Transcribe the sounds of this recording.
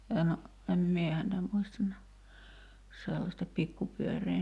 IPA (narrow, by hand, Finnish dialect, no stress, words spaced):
en em mie hæntæ muistɑn næh selːɑstɑ pikːupyøreː